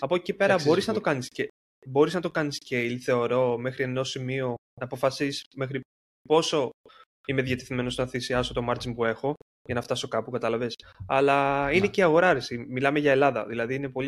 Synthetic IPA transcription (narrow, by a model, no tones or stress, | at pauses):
ɐpocepe̞ɾɐbo̞ɾiznɐt̪o̞kɐnisce | bo̞ɾiznɐt̪o̞kɐnisceiliθe̞o̞ɾo̞me̞xɾie̞no̞simio̞ | nɐːpo̞fɐsisme̞xɾi | po̞so̞ | imeðjɐt̪eθime̞no̞snɐθisiɐso̞t̪o̞mɐɾd͡zinpue̞xo̞ | ʝɐnɐft̪ɐso̞kɐpukɐt̪ɐlɐve̞sɐlɐine̞ceɐɣo̞ɾɐɾesimilɐmeʝɐe̞lɐðɐ̰ðilɐðiine̞poi